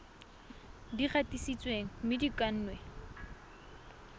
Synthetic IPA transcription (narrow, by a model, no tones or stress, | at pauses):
diχatisit͡sʼweŋ̩mɪdikʼan̩ːnwe